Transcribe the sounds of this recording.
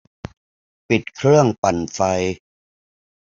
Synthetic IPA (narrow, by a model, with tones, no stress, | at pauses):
pi˨˩t̪̚kʰɾɯ˥˩əŋpa˨˩nfa˧j